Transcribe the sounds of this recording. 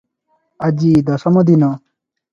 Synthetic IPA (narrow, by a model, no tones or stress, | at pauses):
ɐd͡ʑiːd̪ɐsɐmod̪ino